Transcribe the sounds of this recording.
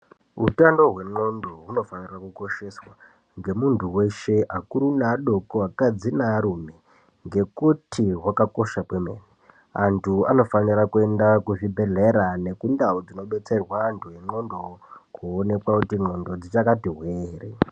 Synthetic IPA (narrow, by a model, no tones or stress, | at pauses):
utando̞ɦwe̞ŋ͡ǃo̞ndo̞ɦuno̞fanirakuko̞ʃe̞swa | ŋɡe̞muntʰuwe̞ʃe̞ʔakuɾunaɗo̞koakad͡zinaɾume̞ | ŋɡe̞kutʰiɦwakako̞ʃapwemḛːni | antʰua̰no̞fanirakue̞ndakuʐibʱe̞ɮe̞ɾane̞kundaud͡zino̞ɓe̞t͡se̞rwaːntʰuje̞ŋ͡ǃo̞ndo̞kuːne̞kwakutiŋ͡ǃo̞ndo̞d͡zit͡ʃakatiɦweːre